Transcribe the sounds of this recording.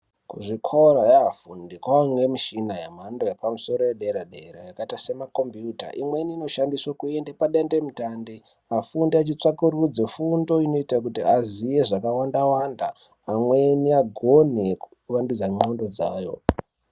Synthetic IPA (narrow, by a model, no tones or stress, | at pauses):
kuʐikʰoɾajaɦafundikwamwemiʃinajamandojepamuso̞ɾojeɗeɾaɗeɾajakaitasemakombjuta̰ʔḭmwe̞niːno̞ʃandiswakuendepaɗendemutandi | afundiat͡ʃit͡ʂakurud͡zefundo̞ino̞itak̬utiazije̞ʐakawandawandaː | mweniaɡʱo̞nekuuʋandud͡zaŋ͡ǃondo̞d͡zaːjo̞̰